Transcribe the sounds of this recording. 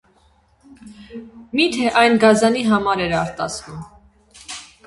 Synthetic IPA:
mit̪ʰɛʔɑjnɡɑzɑniɦɑmɑɾɛɾɑɾt̪ɑ̰t͡sʰvum

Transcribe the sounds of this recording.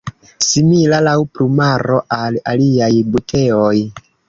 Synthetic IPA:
similalawplumaɾo̞ʔalaliajbutʰe̞oj

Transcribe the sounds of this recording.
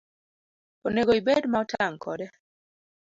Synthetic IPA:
oneɡoibedmaɔtʰaŋkʰɔdɛ

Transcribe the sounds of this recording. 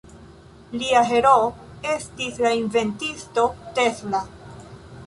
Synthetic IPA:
liaɦe̞ɾoe̞stislainve̞ntisto̞te̞sla

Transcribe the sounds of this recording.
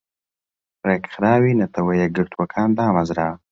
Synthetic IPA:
ɾekxɾɑːwinat̪awajaɡəɾt̪wakʰɑːnd̪ɑːmazɾaː

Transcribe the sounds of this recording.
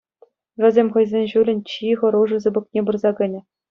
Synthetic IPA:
ʋʲɘ̆zʲemʲχɤ̆jzʲenʲʑulʲɘ̆nʲt͡ɕiʁɤ̆ɾuʐɤ̆zɯbɤ̆k̚nʲebɯrzɑɡɘ̆nʲɘ̆

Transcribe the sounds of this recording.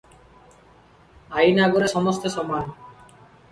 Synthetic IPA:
ajnaɡoɾeʃɔmost̪oʃɔman

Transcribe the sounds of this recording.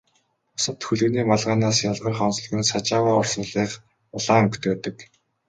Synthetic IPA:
ʊsə̆t̪xuɮɘ̆ɣniːmaɮʁaːnaːsjaɮʁə̆rχɔːns̆ɮɣɘ̆nsat͡ɕaːwaːʊr̥sə̆nɮiːχ | ʊɮaːɵŋkt̪ʰeːt̪ə̆k

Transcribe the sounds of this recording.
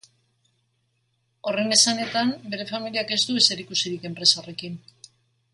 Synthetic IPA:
o̞re̞ne̞sane̞t̪ambe̞ɾe̞familiake̞zt̪uese̞ɾikusiɾike̞mpɾe̞saore̞kin

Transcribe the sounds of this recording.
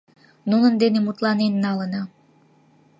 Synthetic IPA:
nunənd̪enemut̪lɑnenːɑlənɑ

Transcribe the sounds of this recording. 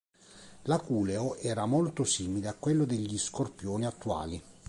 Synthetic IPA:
lakuːleoʔɛːɾamolt̪osiːmileakːwelːod̪eʎːiskorpjoːniat̪ːua̰ːli

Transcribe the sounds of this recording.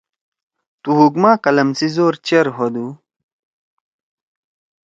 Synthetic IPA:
t̪uɦukmaːkɐlɐmsizoːɾt͡ɕeɾɦod̪u

